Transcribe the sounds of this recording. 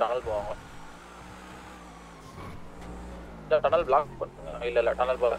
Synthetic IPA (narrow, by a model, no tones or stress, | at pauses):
ʈɐnɐlpoːʋaːŋɡɐ | lɐʈɐnɐlblaːkpɐɳɯŋɡɐɪlːɐɪlːɐʈɐnɐlpoːɐ